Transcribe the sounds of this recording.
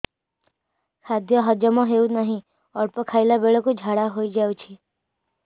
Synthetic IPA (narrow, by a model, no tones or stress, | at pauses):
kʰad̪jɔɦəd͡ʒjɔmɔ̃ɦeunaɦĩ | ɔɽpɔkʰailabeɭɔkud͡ʒʱaɽaɦoid͡ʒaut͡ʃʰi